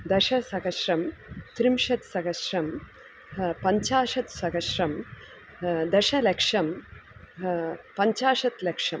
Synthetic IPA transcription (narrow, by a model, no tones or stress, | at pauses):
d̪ɐʃɐsɐkɐʃɾɐmt̪ɾimʃɐt̪sɐkɐʃɾɐm | pɐɲt͡ʃaːʂɐt̪sɐkɐʃɾɐm | d̪ɐʃɐlɐkʂɐm | pɐɲt͡ʃaːʂɐt̪lɐkʂɐm